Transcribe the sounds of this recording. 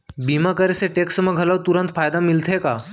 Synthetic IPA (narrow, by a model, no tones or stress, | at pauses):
bimakəɾeseʈeksməɡʱələʋt̪uɾənt̪fajd̪amilt̪ʰeka